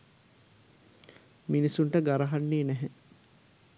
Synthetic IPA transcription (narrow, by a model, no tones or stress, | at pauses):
minisunʈəɡaɾɐɦanːeːnæɦe